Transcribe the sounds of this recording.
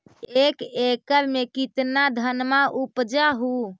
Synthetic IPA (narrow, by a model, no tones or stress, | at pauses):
ekekəɾmekit̪nad̪ʱənmaʔupd͡ʒaɦu